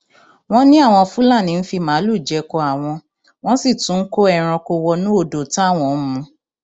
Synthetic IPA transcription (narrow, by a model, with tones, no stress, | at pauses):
w̃ɔ̃˦nĩ˦a˦˨w̃ɔ̃˧fũ˦la˦˨nĩ˨˧n̩˦fi˧mãː˨˦lu˦˨d͡ʒɛ˧kɔ˧a˨w̃ɔ̃˧ | w̃ɔ̃˦si˦˨tũ˨˦ko˦ɛ˦˨ɾ̃ɔ̃˧ko˧wɔ˧nũ˦o˦˧˨do˨ta˦˨w̃ɔ̃˧˨˦mũ˧